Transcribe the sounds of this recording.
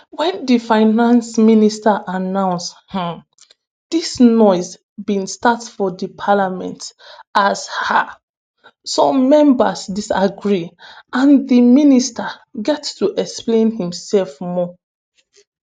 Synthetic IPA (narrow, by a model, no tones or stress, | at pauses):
wɛ̃ndifaɪnãnsministaʔanãʊ̃nshã | d̥isnɔɪs | bĩnstatsfɔdipʰalamɛ̰̃ntasha | sɔmmɛ̃mbəsdisaɡɹiãndiministaɡɛtstuʔɛksplẽnhĩmsɛlfmɔ